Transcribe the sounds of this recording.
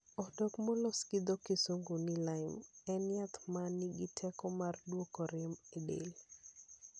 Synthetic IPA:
ɔdɔkmɔloskid̪okisoŋɡunilaɪmɛnjat̪maniɡitʰɛkɔmardwokɔɾɪmedḛl

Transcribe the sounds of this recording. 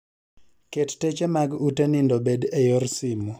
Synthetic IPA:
kettet͡ʃemaɡutenɪndobedejorsimu

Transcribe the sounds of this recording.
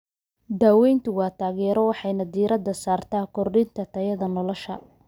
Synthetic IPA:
d̪aːwɛjnt̪ʰʊwɑːt̪ʰaːɣɛːɾɔwɑħɑjnɐd̪iːɾɐd̪ːɐsaːrt̪ʰaːkʰɔrɖɪnt̪ʰɐt̪ʰɐjɐðɐnɔlɔʃɐ̰

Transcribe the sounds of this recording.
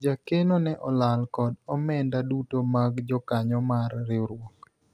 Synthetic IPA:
d͡ʒakenonɛʔɔlalkɔdɔmɛndadutomaɡd͡ʒɔkaɲɔmarːɪɾwɔk

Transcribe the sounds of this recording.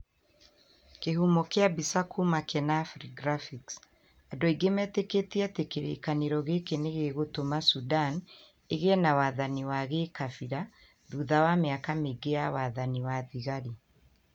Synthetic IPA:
keɦumɔkeabisakʰumakɛnafɾiɡɾafiks | adɔiɡemɛteketiatekeɾḛkaneɾɔɣekeneɣeɣotomasudan | eɣenawaðaniwaɣekafiɾa | ðuðawameakameɡeawaðaniwaðiɣaɾi

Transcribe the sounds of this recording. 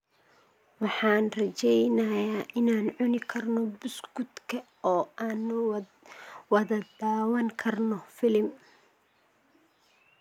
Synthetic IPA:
wɑħɑːnrɐt͡ʃɛjnɐjaːʔɪnaːnʕʊnɪkʰɐrnɔbʊsɡʊd̪kʰɐ | ɔːaːnːʊ | wɐðɐd̪aːwɐŋkʰɐrnɔfɪlɪm

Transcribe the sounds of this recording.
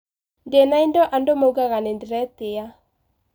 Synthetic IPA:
ndenaindɔʔandomouɡaɣanendeɾɛteja

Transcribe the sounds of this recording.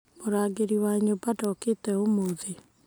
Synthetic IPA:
moɾaːɡeɾiwaɲobadɔketɛomoðe

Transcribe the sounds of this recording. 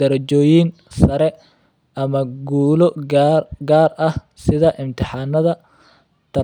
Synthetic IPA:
d̪ɐɾɐt͡ʃɔːjin | sɐɾɛ | ʔɐmɐɡuːlɔ | ɡaːrɐh | sɪðɐʔɪmt̪ʰɪħɑːnːɐðɐ | t̪ʰɐ

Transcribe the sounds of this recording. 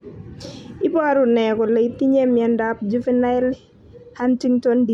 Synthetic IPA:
ipɔɾunɛkɔleit̪iɲemjɛndap̚d͡ʒufinal | hantiŋtɔndi

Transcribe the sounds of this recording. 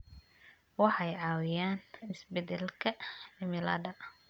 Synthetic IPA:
wɑħɑjʕɑːwɪjaːnɪsbɛd̪ɛlkʰɐɪmɪla̰ːd̪ɐ

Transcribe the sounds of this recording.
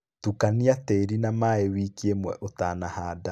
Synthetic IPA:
tukaniatɛɾinamaewikiemwɛʔotaːnahaːda

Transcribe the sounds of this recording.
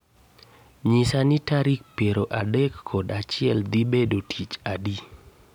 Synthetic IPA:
ɲisanitaɾik̚pjeɾoʔadɛkʰːɔdat͡ʃɪɛld̪ibedotʰit͡ʃadi

